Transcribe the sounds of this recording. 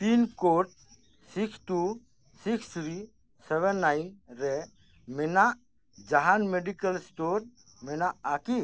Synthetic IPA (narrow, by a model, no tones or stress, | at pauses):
t̪inkoʈ̚ | sikʰt̪u | sikʰsɾi | sɛβɛnːajnɾɛ | mɛnaʔ | d͡ʒaɦanmeɖikalsʈoɾ | mɛnaʔaki